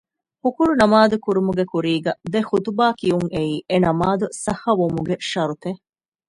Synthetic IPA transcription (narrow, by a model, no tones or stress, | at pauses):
hukuɭunɐmaːd̪ukuɾumuɡekuɾiːɡɐd̪exut̪ubaːkijuŋeiːʔenɐmaːd̪usɐhɐʋomuɡeʃɐɾut̪e